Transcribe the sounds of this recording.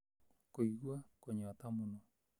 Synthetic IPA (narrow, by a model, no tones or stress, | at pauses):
koiɡwakoɲɔt̪amʊno